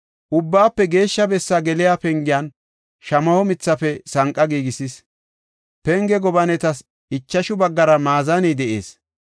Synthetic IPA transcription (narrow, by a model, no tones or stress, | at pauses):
ʔʊbːaːpːɛɡe̞ːʃːɐbɛsːaɡɛlɪjaːpɛŋɡɪjan | ʃɐmɐhɔmɪt͡sːɐfɛsɐŋkʼːɐɡiːɡɪsɪs | pɛŋɡɛɡɔbɐnɛt̪ɐs | ɪt͡ʃːɐʃʊbɐɡːɐɾɐmaːzɐnɛd̪ɛʔḛːs